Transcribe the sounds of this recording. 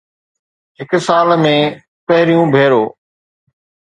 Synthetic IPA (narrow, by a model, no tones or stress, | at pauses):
ɦɪksaːlmẽː | pɐɦɪɾijũbʱeːɾoː